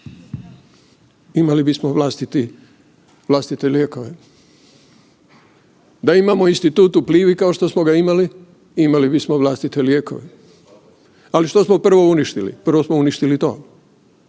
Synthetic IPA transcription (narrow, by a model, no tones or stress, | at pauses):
imalibismoʋlast̪it̪i | ʋlˠast̪it̪eljeːko̞ʋe | d̪aimamoinst̪it̪uːt̪upliːʋikao̞ʃt̪osmoɡaimali | imalibismoʋlˠast̪it̪eljeːko̞̰ʋe | aliʃt̪o̞smo̞pr̩ʋo̞uniʃt̪ilḭpr̩ʋo̞smouniʃt̪ilit̪o̞̰ː